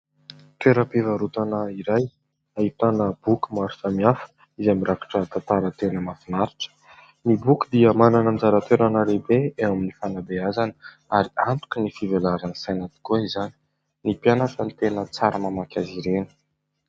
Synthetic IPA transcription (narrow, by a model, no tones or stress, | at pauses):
t̪eɾəpivaɾut̪anəiɾaj | ait̪anəb̥ukumaɾufamiafə̥ | izamiɾakḁʈ͡ʂət̪at̪aɾət̪enəmafinaɾiʈ͡ʂə̥ | nibukud̪iəmananənzaɾat̪eɾanəɾebeeaminifanab̪eazanə | aɾiant̪u̥kʲinifivelaɾanəsajnat̪i̥kuizani̥ | nipjanakant̪enət͡saɾəmamakʲaziɾenə̥